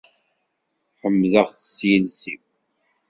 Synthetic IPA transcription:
ħəmːðəʁθə̥sjənsiw

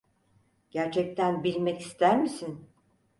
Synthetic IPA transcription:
ɟ̥æɾt͡ʃʰɛc̚t̪ʰænbilʲmɛci̥st̪ʰæɾmisin

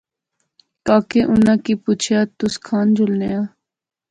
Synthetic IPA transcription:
kaːkeːʔʊnãːkiːpuːt͡ʃʰjaːt̪ʊskʰaːnd͡ʒʱʊlnejaː

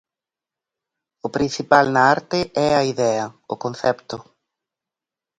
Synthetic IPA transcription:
ʊpɾin̟θipalnɐaɾt̪ɪɛɐiðɛɐʊ̰konθɛpt̪ʊ

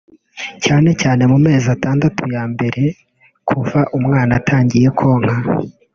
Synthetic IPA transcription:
caːne̞caːne̞mume̞ːzataːndatʰujaːmbe̞ɾe̞ | kʰuvaʔumŋaːnatʰaːɲɟije̞kʰo̞ŋ̥ha

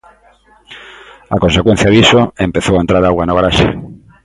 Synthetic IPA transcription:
akonsekwẽn̟θjaðisoempeθowaent̪ɾaðaɣwanoɣaɾaʃḛ

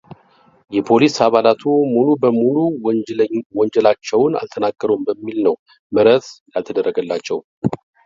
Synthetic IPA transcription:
jɛpʰo̞lisaβalat̪ʰumulubəmulu | wɔnd͡ʒɛlat͡ʃːɛwna̰lt̪ʰənaɡːəɾumbəmːilnəw | məɾət̪jalt̪ʰəd̪ərːəɡəlːat͡ʃːɛw

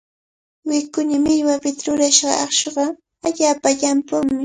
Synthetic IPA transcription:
wɪkʊɲamɪʎwapɪt̪aɾʊɾaʃɢɑ̰ɑχʃoɢɑ | aʎaːpaʎampʊŋmɪ

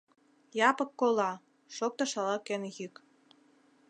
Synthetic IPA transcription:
jɑpɤ̆kːolɑ | ʃok̚t̪ɤ̆ʃɑlɑkenɣyk

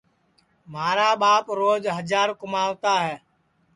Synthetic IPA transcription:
maːɾaːɓaːpɾoːd͡ʒɦəd͡ʒaːɾkʊmaːʋt̪aːɦɛː

